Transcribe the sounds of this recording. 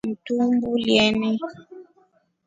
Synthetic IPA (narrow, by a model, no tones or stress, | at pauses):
n̩tumbuljɛnɛ